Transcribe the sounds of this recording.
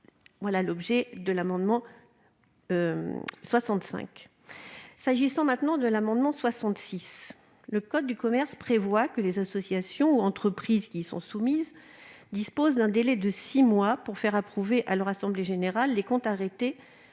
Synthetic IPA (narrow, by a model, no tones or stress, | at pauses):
vwalalɔbʒɛd̪əlamɑ̃d̪mɑ̃ | swasɑ̃t̪sɛ̰̃k | saʒisɑ̃mɛ̃t̪nɑ̃d̪əlamɑ̃d̪mɑ̃swasɑ̃t̪sis | ləkɔd̪ːykɔmɛʁspχevwakəlezasɔsjasjɔ̃uɑ̃t̪χəpχizkʲisɔ̰̃sumizd̪ispozd̪ɛ̃d̪elɛd̪əsimwapuʁfɛʁapχuveʔalœʁasɑ̃bleʒeneʁalːekɔ̃t̪aʁet̪e